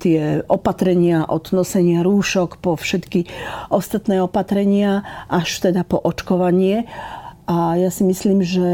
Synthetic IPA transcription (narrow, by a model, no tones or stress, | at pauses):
t̪ɪɛʔɔpat̪ɾɛɲɪaʔɔd̪nɔsɛɲɪaɾuːʃɔkpɔfʃɛt̪kiʔɔst̪at̪nɛːɔpat̪ɾɛɲɪaʔaʃt̪ɛd̪apɔʔɔt͡ʃkɔʋaɲɪɛʔajasimisliːmʒɛ